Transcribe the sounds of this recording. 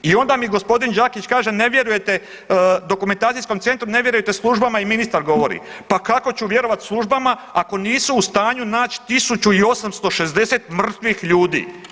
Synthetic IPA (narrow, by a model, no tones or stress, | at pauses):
io̞nd̪amiɡo̞spo̞d̪ind͡ʒaːkit͡ʃkaːʒe̞ne̞ʋje̞ɾuje̞t̪e̞ | d̪o̞kument̪aːt̪ijsko̞mt̪se̞nt̪ɾune̞ʋje̞ɾujet̪e̞slˠuʒbamaiminist̪aɾɡo̞ʋo̞ɾḭpakako̞t͡ɕuʋje̞ɾo̞ʋat̪slˠuʒbamaako̞niːsuːst̪aːɲunaːt͡ɕt̪isut͡ɕuiosamst̪o̞ʃe̞zd̪e̞set̪mr̩t̪ʋixʎuːd̪ḭː